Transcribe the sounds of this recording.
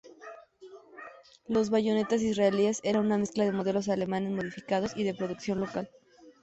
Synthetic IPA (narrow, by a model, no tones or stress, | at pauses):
lo̞zβaʝo̞ne̞t̪as̬izraelie̞se̞ɾanuname̞sklað̞e̞mo̞ð̞e̞lo̞s̬ale̞mane̞zmo̞ð̞ifikaðo̞siðe̞pɾo̞ðuksjo̞nlo̞kal